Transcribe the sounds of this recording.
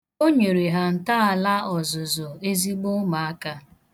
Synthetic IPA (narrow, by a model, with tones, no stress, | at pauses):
o˦ɲe˨ɾe˨ɦa˨n̩˨ta˦a˨la˦ɔ˨zʊ˨zʊ˨e˦zi˦ɡ͡bo˦ma˨a˦ka˦